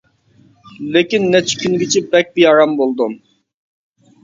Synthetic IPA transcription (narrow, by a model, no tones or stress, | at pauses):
lekʲinːɛt͡ʃʰkʲʰynɡʲit͡ʃʰibɛk̚ʲbijɑɾɑmbolˠd̪um